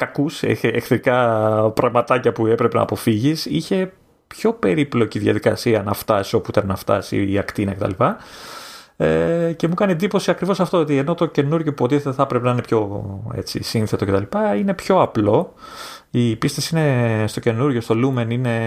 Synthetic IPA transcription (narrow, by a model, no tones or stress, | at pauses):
kɐkusḛexθɾikɐpɾɐɣmɐt̪ɐcɐpue̞pɾepe̞nɐ̰ːpo̞fiʝisiçe̞ | pço̞pe̞ɾiplo̞ciðʝɐ̰ðikɐsiɐnɐft̪ɐsio̞puit̪ɐnnɐft̪ɐ̰sḭɐkt̪inɐcet̪ɐ̰lipɐ | ece̞mukɐnied̪ipo̞siɐkɾivo̞sɐft̪o̞ot̪ie̞no̞t̪o̞ce̞nuɾʝo̞puot̪iθet̪eθɐpɾepenɐinepço̞ḛt͡sḭsinθe̞t̪o̞cet̪ɐlipɐine̞pço̞ɐplo̞ | ipist̪esine̞st̪o̞ce̞nuɾʝo̞st̪o̞lume̞nine̞